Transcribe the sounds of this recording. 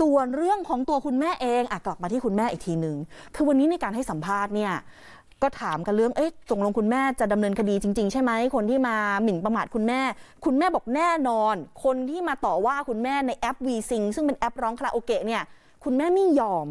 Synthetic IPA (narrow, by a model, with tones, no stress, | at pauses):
su˨˩ənɾɯ˥˩əŋkʰɔː˩˦ŋt̪u˧ɐkʰu˧nmɛː˥˩ʔeː˧ŋʔaː˨˩kla˨˩p̚maː˧t̪ʰiː˥˩kʰu˧nmɛː˥˩ʔiː˨˩k̚t̪ʰiː˧mnɯ˨˩ŋkʰɯː˧wa˧nːiː˦˥na˧jkaː˧nɦa˥˩jsa˩˦mpʰaː˥˩t̪̚ni˥˩ɐ | kɔː˥˩t̪ʰaː˩˦mka˧ɾɯ˥˩əŋʔɤ˦˥jso˨˩ŋlo˧ŋkʰu˧nmɛː˥˩t͡ɕa˨˩da˧mnɤː˧nkʰa˧diː˧t͡ɕi˧ŋt͡ɕi˧ŋt͡ɕʰa˥˩jma˦˥jkʰo˧nt̪ʰiː˥˩maː˧mi˩˦npa˧maː˨˩t̪̚kʰu˧nmɛː˥˩kʰu˧nmɛː˥˩bɔː˨˩k̚nɛː˥˩nɔː˧nkʰo˧nt̪ʰiː˥˩maː˧t̪ɔː˨˩waː˥˩kʰu˧nmɛː˥˩na˧jʔɛ˦˥p̚wiː˧si˧ŋsɯ˥˩ŋpe˧nʔɛ˦˥p̚ɾɔː˦˥ŋkʰa˦˥ʔoː˧keː˧ni˦˥˩ɐ | kʰu˧nmɛː˥˩mi˥˩ŋjɔː˧m